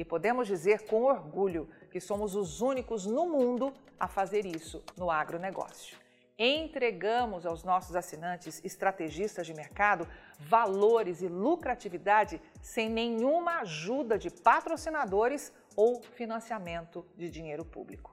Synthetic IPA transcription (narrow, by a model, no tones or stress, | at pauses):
ɪpod̪ẽmʊzd͡ʒizeɾkõw̃oɾɡuʎʊkɪsõmʊzʊzũnikʊznʊmũnd̪ʊ | ɐ̰fazeɾisʊnʊaɡɾoneɡɔ̰siʊ̥ | ẽt̪ɾeɡɐ̃mʊzawznɔsʊzasinɐ̃nt͡ʃɪz̥ɪst̪ɾat̪eʒist̪ɐzd͡ʒɪmeɾkad̪ʊ | valoɾɪzɪlukɾat͡ʃivid̪ad͡ʒɪsẽj̃nẽjɲũmɐaʒud̪ɐd͡ʒɪpat̪ɾosinad̪oɾɪs | owfinɐ̃siamẽnt̪ʊd͡ʒɪd͡ʒĩɲejɾʊpṵblikʊ̥